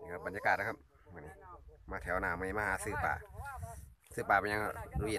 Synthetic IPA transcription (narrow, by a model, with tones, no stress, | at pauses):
a˧˩ba˨njaː˧kaː˨˩t̪̚lkʰa˧p̚ | mɯ˧˨ni˧˩maː˧t̪ʰɛː˨˦wnaː˧˨ma˧ni˧˩maː˧haː˨˧˦sɯː˧˩pa̰ː˨˩ | sɯː˧˩paː˨˩ba˧ɲa˧ŋ˧˩u˧i˧˨